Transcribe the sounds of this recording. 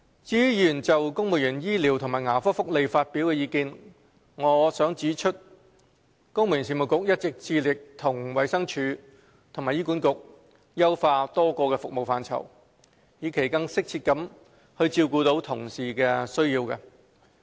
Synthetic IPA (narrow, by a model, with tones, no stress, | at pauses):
t͡siː˨˥jyː˨˩nt͡sɐ˨wkʊ˥ŋmʊ˨˩jyː˨˩njiː˥liː˨˩wt̪ʰʊ˨ŋmaː˨˩jŋaː˨˩fɔː˥fʊ˥k̚le˨˧jfaː˧t̚piː˨˥wkɛː˧jiː˨˧kiː˧n | ŋɔː˨˧˥sœː˨˥ŋt͡siː˨˥t͡ʃʰɵ˥t̚ | kʊ˥ŋmu˨jy˨ns̬iː˨˩mʊ˨wkʊ˨k̚jɐ˥t̚t͡sɪ˨k̚t͡siː˧lɪ˨k̚t̪ʰʊ˨˩ŋwɐ˨˧jsɐ˥ŋt͡ʃʰyː˨˧ | t̪ʰʊ˨˩ŋmaː˨˩jiː˥ku˨˥nkʊ˨k̚ | jɐ˥wfaː˧t̪ɔː˥kɔː˧kɛː˧fʊ˨k̚mo˨wfaː˧nt͡sʰɐ̰˨˩w | jiː˨˧˥kʰe˨˩jkɐ˧ŋsɪ˥k̚t͡sʰiː˧t̚kɐ˨˥m | hɵ˧ɥt͡siː˧wkuː˧t̪o˨˥wt̪ʰʊ˨˩ŋsiː˨kɛː˧sɵ˥ɥjiː˧wkɛ̰˧